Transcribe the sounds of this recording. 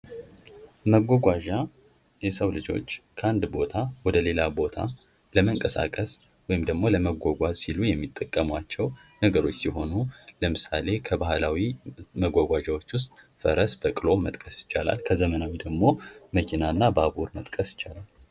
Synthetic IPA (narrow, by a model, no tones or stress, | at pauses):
məɡʷɔɡʷaʒa | jɛsəwlɨd͡ʒo̞̰t͡ʃːkʰəand̪bo̞t̪ʰawɔd̪əle̞labo̞t̪ʰa̰ləməŋkʼəsa̰kʼəs | wɔjɪmd̪əɡmo̞ləməɡʷoɡʷasilujɛmːit̪ʼːəkʼːəmwat͡ʃːɛwnəɡəɾo̞t͡ʃːsiɦo̞nuləmɨsa̰le̞kʰəbahlawiməɡʷaɡʷaʒawot͡ʃːwʊst̪ʼ | fəɾəsbəkʼɨlo̞mət̪ʼkʼəsjɪt͡ʃːala̰lkʰəzəmənawid̪əɡmo̞məkʰinanːabəabuɾmət̪ʼkʼəsjɪ̥t͡ʃːalal